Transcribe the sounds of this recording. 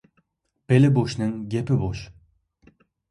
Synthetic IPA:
b̥elɪboʃnɪŋɡʲepɪboʃ

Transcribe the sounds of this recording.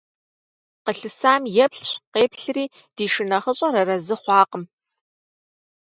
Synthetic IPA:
qəɬɨsaːmjɛpɬɕqeːpɬriː | d̥iːʃɪnɐχəɕʼɐɾɐrɐzɨχʷɑːqəm

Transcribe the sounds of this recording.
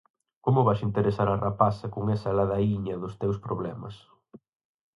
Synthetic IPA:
komʊβajʃint̪eɾesaɾɐrapasɐkʊŋɛsɐlaðaiɲɐðʊst̪ewspɾoβlɛmɐ̰s

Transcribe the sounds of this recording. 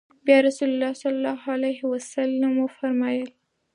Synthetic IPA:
bjɑɾasulʊlːɑsɑlɑlːɑhalajhɪwasalːamwəfaɾmɑjəl

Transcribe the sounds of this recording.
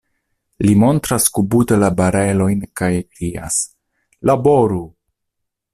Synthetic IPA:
limo̞ntɾaskubutelabaɾe̞lo̞jnkajdia̰s | labo̞ɾu

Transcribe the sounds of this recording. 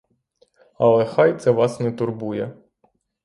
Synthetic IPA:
ɐlˠɛxɑjt̪sɛʋɑsnɛt̪ʊrbujɛ

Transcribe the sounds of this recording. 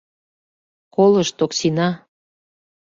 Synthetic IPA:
koləʃt̪oksinɑ

